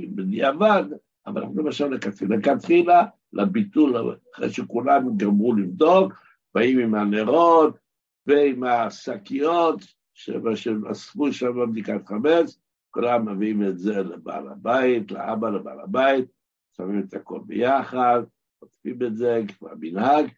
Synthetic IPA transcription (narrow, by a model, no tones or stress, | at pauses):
niavad | a̰va̰l̰a̰χnulemaʃalekat̪χilakat̪χila | lʔabit̪ulaχʁḛjʃekulamɡamʁulivd̪ok | baimimaneʁot̪ | veimasakijot | ʃḛmaʃeʔa̰sfuʃameb̚d̪ikat̪χames | kulamːaviimetzeleba̰la̰bait̪lḛʔabaleba̰la̰bait̪̚ | samimet̪ako̞̰lbḛjaχad̪ | mot͡sfimetzekfa̰minhaɡ